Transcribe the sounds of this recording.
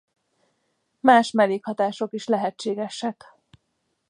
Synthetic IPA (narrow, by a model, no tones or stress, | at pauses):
maːʃmɛleːkhɒt̪aːʃo̞kiʃlɛɦɛt͡ʃːeːɡɛʃɛk